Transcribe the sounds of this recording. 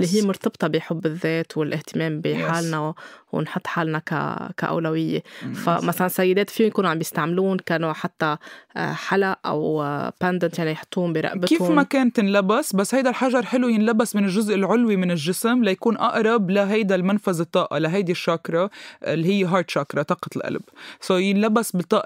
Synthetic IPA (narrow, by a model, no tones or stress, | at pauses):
lːiɦijːmʊɾˤt̪ɑbt̪ˤɑbɪjħʊbːɪðːeːt̪wɪlʔɪht̪ɪmeːmbiħaːlnawɪ̰nħʊt̪ˤːħaːlnaka̰ka̰ʔa̰wlawɪjːḛfa̰masalansajːɪd̪eːt̪fiːʊmjkuːnʕambjɪst̪aʕmluːnkanoħat̪ːa̰ | ħalaʔʔa̰wpɛnd̪ɪnt̪jaʕnijħʊ̥t̪ˤːuːʊmbiɾˤɑ̰ʔbɪkiːhʊfmakeːnt̪ɪnlabasbasːhajd̪alħaʒɑɾˤħɪlujɪnlabːasmɪnɪlʒʊzʔɪlʕʊlwimɪnɪlʒɪsmlajakuːnʔaʔɾˤɑblaɦajd̪almanfazɨt̪ˤːɑːʔalaɦajd̪iʃːakɾˤɑɪlːiɦɪjːeɦɑːɾt̪ʃakɾˤɑt̪ˤɑːqɑt̪lʔa̰lbsojɪnlabːasbɪt̪ˤːɑːʔɑ